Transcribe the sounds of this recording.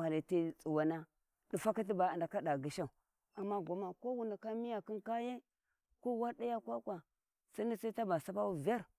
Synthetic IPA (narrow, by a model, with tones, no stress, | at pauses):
a˨li˨ti˦t͡sʼu˨wa˨na˦ | ɗi˨fa˦ka˦t̬i˦ba˨a˨nda˨ka˦da˨ɡi˨ʃa˦u˨ | a˨mːa˦ɡʷa˨˦ma˨ko˦wu˨na˨ka˦mi˦ja˨ki˦nka˦je˦ | ko˦wa˦ɾɗa˦ja˦kʷa˦kʷa˨ | sa˦ni˦sa˦i˦ta˦ba˨sa˦pa˦wu˦va˦ɾ